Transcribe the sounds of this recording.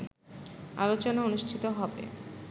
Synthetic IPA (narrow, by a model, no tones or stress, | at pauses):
a̰lot͡ɕonaonuʃʈʰit̪oɦɔbḛ